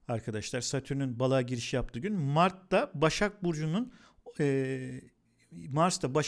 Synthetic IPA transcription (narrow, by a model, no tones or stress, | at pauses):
aɾkʰad̪aʃlˠaɾsat̪ʰyɾynynbalˠaːɟiɾiʃijap̚t̪ʰɯɟynmaɾt̪ːabaʃak̚buɾd͡ʒunun | ɛ | maɾst̪aba